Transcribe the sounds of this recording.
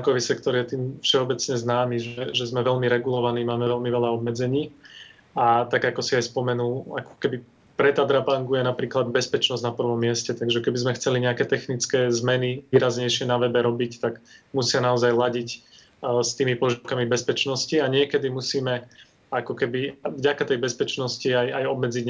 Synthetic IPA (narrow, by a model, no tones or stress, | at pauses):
ŋkɔʋiːsɛkt̪ɔɾjɛt̪iːmfʃɛɔbɛt͡sɲɛznaːmiʒɛʒɛzmɛʋɛʎmiɾɛɡulɔʋaniːmaːmɛʋɛlmiʋɛʎaɔbmɛd͡zɛɲiː | at̪aɡakɔsiajspɔmɛnulakɔ̥kɛbi | pɾɛt̪ad̪ɾapaŋɡujɛnapɾiːklad̪bɛspɛt͡ʃnɔzɟnapr̩ʋɔmːɪɛscɛt̪aɡʒɛkɛbizmɛxt͡sɛliɲɛakɛːt̪ɛxnit͡skɛːzmɛniʋiːɾazɲɛjʃɪɛnaʋɛbɛɾɔbict̪aɡmusɪanaɔzajlaɟic | st̪iːmipɔʒiʊkamibɛspɛt͡ʃnɔsciaɲɪɛkɛd̪imusiːmɛ | akɔkɛbivɟakat̪ɛjbɛspɛt͡ʃnɔsciajajɔbmɛd͡ziɟɲ